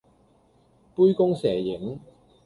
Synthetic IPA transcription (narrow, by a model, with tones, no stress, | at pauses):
pu˥jkʊ˥ŋsɛː˨˩jɪ˨˥ŋ